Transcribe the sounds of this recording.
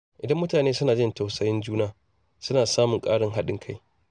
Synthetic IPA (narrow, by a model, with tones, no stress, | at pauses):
ʔɪ˨dɐ˦mːʊ˦taː˨neː˦sʊ˦naː˨d͡ʒɪ˦nta˨wsɐ˦jɪ˦nd͡ʒuː˦naː˦ | sʊ˦naː˨saː˦mʊ˨ŋkʼaː˦ɽɪ˨ŋɦa˦ɗɪ̰˦ŋkʰa˦j